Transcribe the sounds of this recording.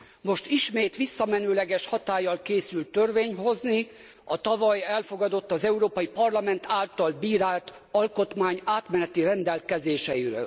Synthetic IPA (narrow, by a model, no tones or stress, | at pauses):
mo̞ʃt̪iʃmeːt̪ʋisːɒmɛnøːlɛɡɛʃhɒt̪aːjːɒlkeːsylt̪ːørveːɲɦo̞zni | ɒt̪ɒvɒjɛlfo̞ɡɒd̪o̞t̪ːɒzɛuɾoːpɒjipɒrlɒmɛnt̪ʰaːlt̪ɒlbiːɾaːlt̪ | ɒlko̞t̪maːɲaːt̪mɛnɛt̪irɛnd̪ɛlkɛzeːʃɛiɾø̰ːl